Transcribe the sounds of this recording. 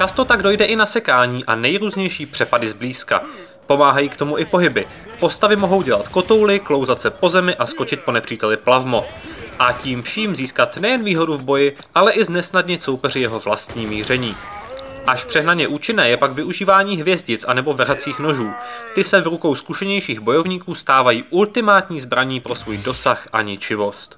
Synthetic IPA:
t͡ʃast̪o̞t̪aɡdo̞jdɛʔɪnasɛkaːɲiːʔa̰nɛjɾuːzɲɛjʃiːpr̥ɛpadɪzbliːska̰ | po̞maːɦajiːkt̪o̞muʔɪpo̞ɦɪbɪ | po̞st̪avɪmo̞ɦo̞wɟɛlat̪ko̞t̪o̞wlɪklo̞wzat̪sɛpo̞zɛmɪʔasko̞t͡ʃɪt̪̚po̞nɛpr̥iːt̪ɛlɪplavmo̞ʔaciːmfʃiːmziːskat̪nɛjɛnviːɦo̞duvbo̞jɪ | ʔalɛʔɪznɛsnadɲɪso̞wpɛr̝ɪjɛɦo̞vlast̪ɲiːmiːr̝ɛɲiː | ʔaʃpr̥ɛɦnaɲɛʔuːt͡ʃɪnɛːjɛpaɡvɪʔuʒiːvaːɲiːɦvjɛzɟɪt͡sʔanɛbo̞vɛɾat͡siːxno̞ʒuːt̪ɪsɛvɾuko̞wskuʃɛɲɛjʃiːɣbo̞jo̞vɲiːkuːst̪aːvajiːʔult̪ɪmaːt̪ɲiːzbɾaɲiːpɾo̞svuːjdo̞saxʔa̰ɲɪt͡ʃɪvo̞st̪

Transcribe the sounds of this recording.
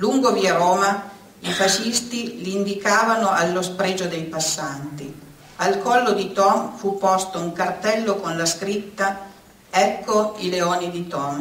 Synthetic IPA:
luŋɡoviaɾɔːma | ifaʃist̪iliind̪ikaːvanoʔalːospɾɛːd͡ʒod̪ejpasːant̪i | alkɔlːod̪it̪ɔmfupːɔst̪ouŋkart̪ɛlːokonlaskɾit̪ːa | ɛkːoileoːnid̪it̪ɔm

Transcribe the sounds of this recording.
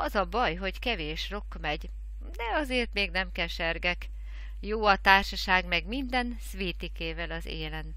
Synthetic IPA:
ɒzɒbɒjɦo̞ɟkɛveːʃro̞kːmɛɟ | d̪ɛɒzeːrt̪meːɡnɛmkɛʃɛrɡɛk | joːɒt̪aːrʃɒʃaːɡmɛɡmind̪ɛnsʋiːt̪ikeːvɛlɒzḛːlɛn

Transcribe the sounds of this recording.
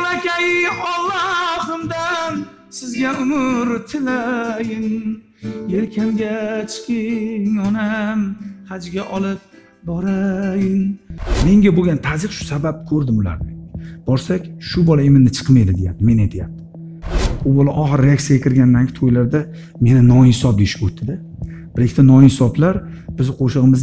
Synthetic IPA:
lakʲʰajɪɒlˠːaχɨmd̪an | sɪzɡʲaʊmʊɾt̪ʰɪlajɪn | jelkʲʰamɡʲat͡ʃʰɪ̥qʰɪŋɒnamhad͡ʒɡʲaʔɒlˠɪp̚ | bɒɾajɪnme̞ŋɡʲaboɡʲant̪ʰazɨqʃʊ̥sabap̚kʲʰɵɾd̪ɪmʊla̰ɾnɪb̥ɒɾsakʲʃʊbɒlaemɪnnɪt͡ʃʰɨ̥qmajd̪ɪd̪ejap̚t̪ɪme̞najt̪ʰɪjap̚t̪ʰɪ̥ | ʊbɒlaʔɒχɨɾːeak̚t̪jaɡʲakʰʲɪɾɡʲanːaŋkʰʲɪt̪ʰojlaɾd̪a | me̞nɪnɒhsɒp̚d̪eʃɪ̥pot̪ʰːɪd̪a | b̥ɪɾekʰʲɪt̪anɒɪhɪsɒblaɾ | b̥ɪzqʰoʃɨʁɨmɪz

